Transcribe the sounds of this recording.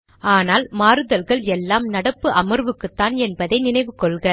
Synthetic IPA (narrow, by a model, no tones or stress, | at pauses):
ʔaːnaːlmaːɾɯðɐlɣɐɭɛlːaːmnɐɽɐpːɯʔɐmɯɾʋɯkːɯt̪ːaːnɛnbɐðɐɪnɪnɐɪʋɯkːɔɭɣɐ